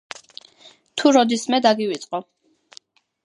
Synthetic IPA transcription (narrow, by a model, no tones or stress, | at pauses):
t̪ʰuɾɔd̪ismɛd̪aɡiwit̪sʼqʼɔ